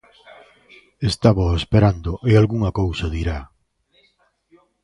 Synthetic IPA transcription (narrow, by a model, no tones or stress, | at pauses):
est̪aβoespeɾand̪oʔealɣuŋakowsaðiɾa